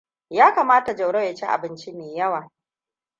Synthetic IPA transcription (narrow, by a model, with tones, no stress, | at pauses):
jaː˦kaː˨maː˦ta˨d͡ʒɐ˨wɽɐ˦ja˨t͡ʃi˦ʔa̰˨bɪ˦nt͡ʃi˦meː˨jɐ˦waː˨